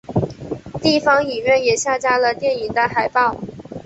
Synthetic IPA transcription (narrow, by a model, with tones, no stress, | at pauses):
t̪i˥˩fɑ˧˥ŋi˨˩ɥɛ˥˩njɛ˨˩ɕja˥˩t͡ɕja˥lə˨t̪jɛ˥˩ni˨˩ŋd̪ə˦xa˨˩ɪpɑ˥˩ʊ